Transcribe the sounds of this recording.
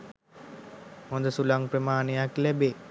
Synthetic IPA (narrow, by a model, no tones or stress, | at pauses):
mond̪əsulaŋpɾəmaːnejaklɛbe